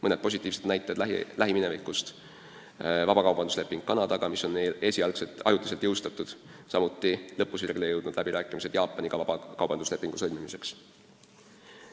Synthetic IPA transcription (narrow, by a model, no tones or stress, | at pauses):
mɤne̞d̪̚po̞s̬ʲit̪ːˑiːvse̞t̪næjt̪ˑɑed̪lælæɦiminevikːust̪ | vɑb̥ɑkɑwb̥ɑnd̪usle̞pːˑiŋɡ̥kɑnɑd̪̥ɑɡ̥ɑmiso̞nːele̞ːsʲiɑlkse̞t̪ːˑɑ̰jut̪lis̬elt̪jɤwst̪ɑt̪ːˑud̪̥sɑmut̪ˑːilɤpːusiɾɡlejɤwd̪nud̪̥læbiɾæːkːˑimise̞d̪̥jɑːpːˑɑniɡ̥ɑvɑbɑkɑwb̥ɑnd̪usle̞pːˑiŋɡ̥usɤlʲmimise̞ks